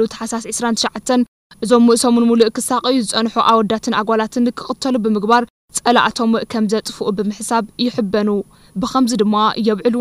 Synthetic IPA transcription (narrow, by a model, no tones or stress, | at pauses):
ut̪ʰɐ̥ħasasʕɨsɾant̪ʰɨʃʕat̪ʰːɐn | ʔɨzo̞mːɨʔsomɨnmuluʔkʰɨsaχʼɨjːuzɨt͡sʼɐnħuʔaβwɔd̪ːat̪ʰɨnʔaɡʷalat̪ʰɨnkʰɨxʼɨt̪ʰːɐlubɨmɨɡbaɾ | t͡sʼɐlaʔa̰t̪ʰo̞mʔkʰɐmzɐt͡s̪ʼɨfuʔubɨmɨħsaβjɪħɨbɐnu | bɨxʰɐmzid̪ɨmːajɛβʕɨlu